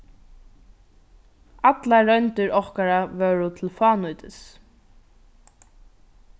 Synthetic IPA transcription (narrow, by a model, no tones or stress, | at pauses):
at̪laɾœnt̪ɪɹɔhkaɾaʋœːɹʊt̪ʰɪlfɑːnujt̪ɪs